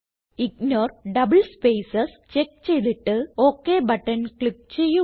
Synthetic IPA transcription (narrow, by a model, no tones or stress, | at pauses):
iknoːrɖɐbɨlspeːsɐs | t͡ɕekːt͡ɕe̞jðiʈːɨo̞ːkːeːbɐʈːɐnkɭip̚t͡ɕe̞jːu